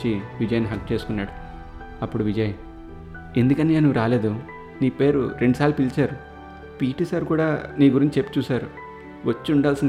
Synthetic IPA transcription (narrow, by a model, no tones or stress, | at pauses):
t͡ʃiʋid͡ʒɐjɐniɦɐkt͡ʃe̞ːsu̥kunːaːɽu | ɐpːuɽuʋid͡ʒɐjɐm | e̞nd̪ukɐnːeenuʋuɾaːle̞ːd̪u | niːpe̞ːɾṵɾe̞ɳɖusaːlupilt͡ʃaːɾu | piːʈisɐɾkuːɽaːniːɡuɾiɲt͡ʃit͡ʃepːu̥t͡ʃuːsaːɾu | ʋɐt͡ʃːiuɳɖaːlsin